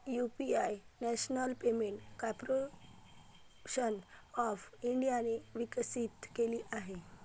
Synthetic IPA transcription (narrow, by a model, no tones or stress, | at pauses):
jupiajnɛɕnəlpemeɳʈkapɾo | ɕənɔfiɳɖijaneʋiksit̪keliʔaɦe